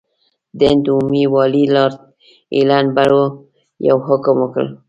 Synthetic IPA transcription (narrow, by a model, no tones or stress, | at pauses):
d̪end̪umiwɑlilɑɾ | ḛlanbaɽwo | ja̰wɦʊkəmwəkə̰l